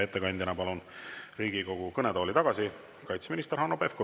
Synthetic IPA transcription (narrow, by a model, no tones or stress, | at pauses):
e̞t̪ːe̞kɑnʲd̪̥ʲjɑnɑpɑlunriːɡiko̞ɡ̥ukɤned̪o̞ːlit̪ɑɡ̥ɑsi | kɑjt̪sminist̪eɾhɑnopefko